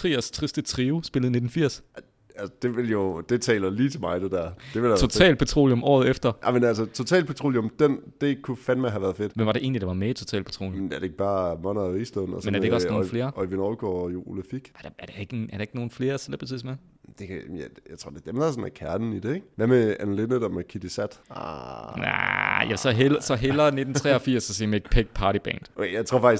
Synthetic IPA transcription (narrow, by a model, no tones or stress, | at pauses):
t͡sʰʁḭːɐst͡sʰʁisd̥ət͡sʰʁiːʊsb̥e̝ləð̩ˠne̝d̥n̩fiɐ̰s | ælsə̥d̥e̝ʋe̝ljo̝d̥e̝t͡sʰɛ̰ːlɐliːt͡sʰe̝lmɑ̈ɪd̥ed̥æɐ̰̥e̝ʋeljæot͡sʰɛ̰ːl̚pʰot͡sʰʁo̝̰ːljo̽mɒ̰ːð̩ˠefd̥ɐjmenælsət͡sʰo̝t͡sʰɛ̰ːlpʰot͡sʰʁo̝̰ːljomd̥end̥e̝kʰufænmɑɪɦæʋæɐð̩ˠfe̝d̥ʋem̰ʋɑ̈ɾeʔe̝̰ːnlid̥ɑ̈ʋɑ̈meit͡sʰo̝t͡sʰɛ̰ːlpʰo̥t͡sʰʁo̝̰ːljnæɐd̥eeɡ̥̚b̥ɑ̈ːmɒ̽nɐisd̥eðˠn̩ɒsmenæɐdeɡ̥ɒsnoːnfle̝ːɐʔɒiʋinɒʊɡ̥ɔ̰ːjoʔuləfiɡ̥ɑd̥æɐd̥ee̝ɡ̥əæɐd̥ëeɡ̥no̝ːn̩fle̝ːɐsel̰ɐb̥e̥t͡sʰḭsme | d̥e̝kʰjjaɪt͡sʰʁo̝ɐded̥emdæsɔnækʰæɐnn̩id̥eeɡ̥ʋæmeænlenəd̥ɒmekʰid̥isæd̥ | næ̰jæsɒ̽ɦelɐsɒ̽ɦelɐne̝d̥n̩t͡sʰʁɛɒ̽fiɐ̰sːɒ̽sḛmeɡ̥pʰeɡ̥̚pʰɑ̈ːɾib̥ɛ̰ːnd̥ʔoejɑ̈ɪt͡sʰʁo̝ɐfɑɡ̥is